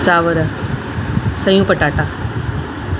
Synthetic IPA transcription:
t͡ɕaːʋəɾɐ | sɐjũːpəʈaːʈaː

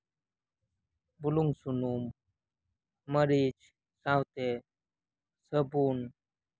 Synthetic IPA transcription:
buluŋɡsunum | əɾid͡ʑ | sãwt̪e | səbun

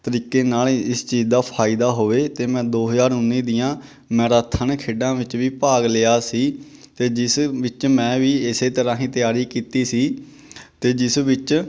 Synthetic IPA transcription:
t̪əɾiːkeːnaːlɪst͡ʃiːzd̪aːpʰaːɪd̪aːɦoːʋeːt̪eːmɛ̃ːd̪oːɦəzaːɾʊnːiːd̪ɪjãː | mɛ̃ːɾaːt̪ʰənkʰeːɖãːʋɪt͡ʃʋiːpaːɡleːaːsiː | t̪eːd͡ʒɪsʋɪt͡ʃmɛ̃ːʋiːɪseːt̪əɾãːɦĩːt̪ɪjaːɾiːkiːt̪iːsiː | t̪eːd͡ʒɪsʋɪt͡ʃ

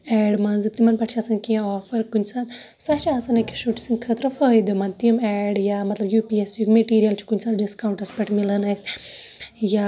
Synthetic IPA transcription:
ɛːɖmɐnzɨt̪imɐnpɐʈʰt͡ʃʰɐsɐnkĩɔːfɐɾkunʲsɐd̪sɐt͡ʃʰaːsɐnɐkiʃuʈi̥sinkʰət̪ɾɐfəːid̪omɐnt̪imɛːɖjaːmɐt̪lɐbjuːpiesjukʲmeʈiːɾijɐlt͡ʃʰu̥kunʲsad̪ɖiskaːwũɳʈɐɾspɐʈʰmilɐnɐsʲ | ja

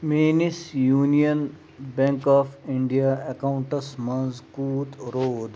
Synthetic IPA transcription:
meːnisjuːnijən | bɛ̃ŋkaːfɪ̃ɳɖijaːekaʊ̃ɳʈɐsmɐnzkuːt̪ɾoːd̪

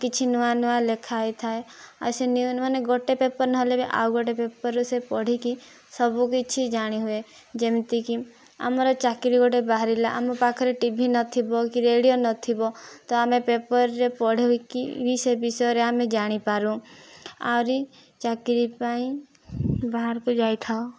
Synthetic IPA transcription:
kit͡ʃʰinuanualekʰajt̪ʰaea̰senimɔneɡoʈepepɔɾnɔɦɔlebiʔa̰wɡɔʈepepɔɾɔsepɔɽ̤iki | sɔbukit͡ʃʰid͡ʒaɽ̃iɦue | d͡ʒemt̪iki | a̰mɔɾɔt͡ʃakiɾiɡɔʈebaɦaɾilaʔa̰mopakʰɔɾeʈibʱinɔt̪ʰibɔkiɾeɽijonɔt̪ʰibɔt̪ɔamepepəɾːepɔɽ̤ʱiikḭbʱisebisɔɔɾeamed͡ʒaɽ̃ipaɾũ | a̰wɾi | t͡ʃakiɾipaĩ | baɦaɾkud͡ʒajt̪ʰao

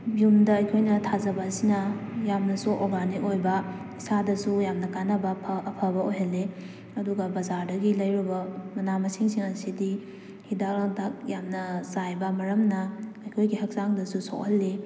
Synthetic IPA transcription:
bjumdɐːjkʰojnɐtʰazɐbɐːsinɐjamnɐsuʔoɾɡaniojbɐ | isadɐsujamnɐkanɐbɐpʰɐpʰɐbɐojɦɐlːe | ɐduɡɐbɐzaɾdɐɡilɐjɾubɐmɐnamɐsiŋsiŋɐsidi | hidaklaŋtʰak̚jamnɐsajbɐmɐɾɐmnɐː | jkʰojɡihɐk̚saŋdɐsuso̰khɐlːi

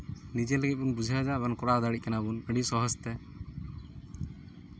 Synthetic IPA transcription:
nid͡ʒɛlɛɡit̪̚ˀbunbud͡ʒʱiad͡ʒabankɔɽaɔd̪aɽic̚kanabunəɖisɔɦɔst̪ɛ

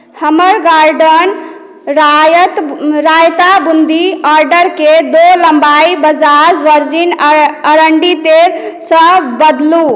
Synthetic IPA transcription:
həməɾɡaɾɖən | ɾət̪ɾajt̪abund̪iaɾɖəɾked̪oləmbaibəd͡ʒaɾʋəɾd͡ʒinəɾəɳɖit̪elsə̃bəd̪lu

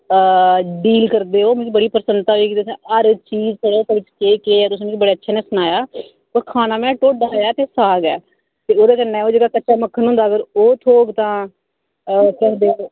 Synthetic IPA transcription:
ɖiːlkəɾd̪eːoːmkibəɽiːpɾsənd̪t̪aːiːkiːt̪ːsɛ̃əɾt͡ʃiːzkəɾoːt̪eʋɪt͡ʃkeːkeːɛːt̪ʊs̬ankibəɽeːətːʃʰɛːnẽːsʊnaːjaː | pəɾkʰaːnaːmɛ̃ːʈoːɖaːjaːt̪eːsaːɡɛ̰ː | t̪eːoːd̪eːkənɛ̃ːoːd͡ʒeːɡaːkəːʃaːməkʰːənɦʊ̃nd̪aːɡəɾoːt̪ʰoːɡt̪ãː | kɛ̃ːɦd̪eːoː

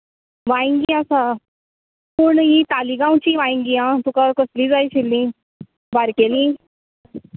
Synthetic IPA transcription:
ʋãĩŋɡiasa | puɾɳɦit̪aliɡãwt͡ɕiːʋãĩŋɡiãt̪ukakəsliːd͡zajɕʰelːĩ | baɾkelĩː

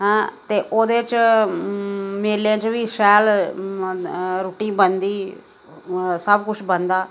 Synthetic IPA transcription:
ɦɛ̃t̪eːʔoːd̪eːt͡ʃ | meːlãt͡ʃʋiːsɛːl | ɾuʈiːbənd̪iː | səbkʊt͡ʃʰbənd̪aː

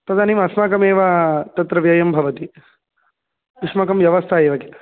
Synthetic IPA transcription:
pɐd̪ʱaːnimɐsmaːkɐmeːʋɐt̪ɐt̪ɾɐʋjɐjɐmbʱɐʋɐt̪i | uʂmɐkɐmʋjɐʋɐst̪ʰaeːʋɐkit̪

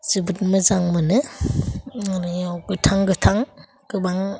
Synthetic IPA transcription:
zɯbɯt̚mɯzaŋmɯnɯ | aɾiawɡɯtʰaŋɡɯtʰaŋ | ɡ̥ɯbaŋ

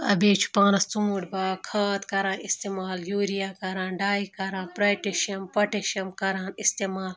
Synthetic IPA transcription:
ɐ̰beːt͡ʃʰu̥pãːnɐst͡suːuɖbaːkʰaːt̪kɐɾãːnist̪emaːljuːɾijakɐɾãːnɖaːikɐɾãːnpɾaːjʈeʃiɐmpɐʈeʃɐmkɐɾaːnist̪eːmaːl

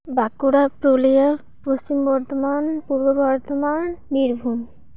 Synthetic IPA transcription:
bakuɾapɾolia | pɾost͡ɕimbɔɾt̪omanpuɾbobʱɔɾt̪omanbiɾbʱun

